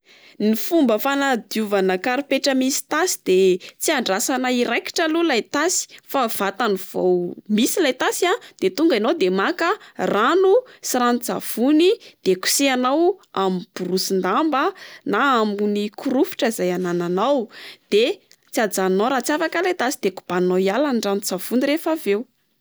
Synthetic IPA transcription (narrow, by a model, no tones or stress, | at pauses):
nifumbəfanad̪juvanəkaɾipeʈ͡ʂəmisi̥t̪asi̥d̪̥et͡siaɳɖ͡ʐasanəiɾajki̥ʈ͡ʂəlulajt̪asi̥fav̥at̪aniv̥o̰wmisilajt̪asiad̪̥et̪uŋɡinod̪emakəranusiɾanit͡sa̰v̥unid̪̥eku̥seanawamib̥urusind̪ambənaaːmunikʰuɾufi̥ʈ͡ʂəizajanananawd̪̥e | t͡siad͡zanoɾat͡siafakəlajt̪asid̪̥eku̥b̥anoialanɳɖ͡ʐanud͡zav̥unirefavew